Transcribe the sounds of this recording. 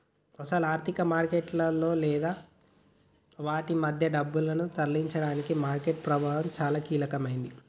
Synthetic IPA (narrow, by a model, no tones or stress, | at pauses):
ɐsɐlaːɾt̪ʰikɐmaːɾkeʈlɐlːo̞ːlɛːd̪aː | ʋaːʈimɐd̪ʱjɐɖɐbːulɐnut̪ɐɾliɲt͡ʃɐɽaːnikimaːɾkeʈ̚pɾɐbʱaːɦɐmt͡ʃaːlaːkiːlɐkɐmɐjind̪i